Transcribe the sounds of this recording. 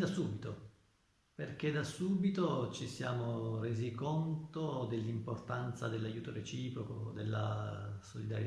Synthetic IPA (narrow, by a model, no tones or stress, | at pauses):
d̪asuːbit̪o | perk̟ed̪asuːbit̪ot͡ʃisjaːmoreːzikont̪od̪elːimport̪ant̪sad̪elːajːuːt̪oret͡ʃiːpɾokod̪elːa̰solid̪aɾje